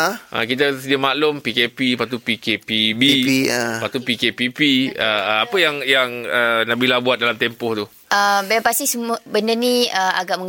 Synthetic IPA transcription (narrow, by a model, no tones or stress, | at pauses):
ʔə̰kit̪̬asədiamaʔlʊmpikepipat̪̬upikepibipat̪upikepipiəapəjaŋjaŋənabilabuat̪̚dalamt̪empɔht̪u | ʔəbapast̪isəmuəbəndənĩəa̰ɡaʔməŋ